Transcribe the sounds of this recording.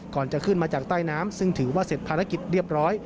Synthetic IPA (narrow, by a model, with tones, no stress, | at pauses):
kɔː˨˩nt͡ɕa˨˩kʰɯ˥˩nmaː˧t͡ɕaː˨˩k̚t̪aː˥˩jnaː˦˥msɯ˥˩ŋt̪ʰɯː˩˦waː˥˩se˨˩t̪̚pʰaː˧ɾa˦˥ki˨˩t̪̚ɾi˥˩əp̚ɾɔː˦˥j